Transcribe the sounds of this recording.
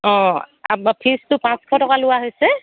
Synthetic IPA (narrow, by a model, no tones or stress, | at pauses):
ɔ̃apʰistʊpãskʰɔtɔkalʊwaɦojsɛ